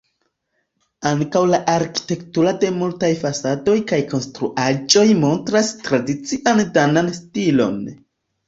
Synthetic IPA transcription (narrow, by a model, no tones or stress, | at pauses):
aŋkawlaʔaɾki̥te̞ktuɾade̞multajfasado̞jkajko̞nstɾuʔad͡ʒo̞jmo̞ntɾastɾadit͡siʔandananstilo̞̰n